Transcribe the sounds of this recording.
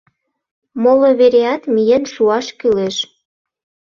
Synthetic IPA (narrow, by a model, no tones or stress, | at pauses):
moloβeɾeɑt̪mijenʃuɑʃkyleʃ